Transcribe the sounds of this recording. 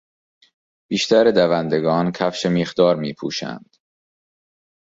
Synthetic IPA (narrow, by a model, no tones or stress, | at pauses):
b̥iːʃt̪ʰæɾed̪ævænd̪eɡɒːnkʰæfʃemiːχd̪ɒːɾmiːpʰuːʃæ̰nd̪̥